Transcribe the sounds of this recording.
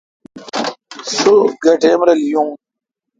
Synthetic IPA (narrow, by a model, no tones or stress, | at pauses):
suɡɐʈʰeːmɾɐlijũː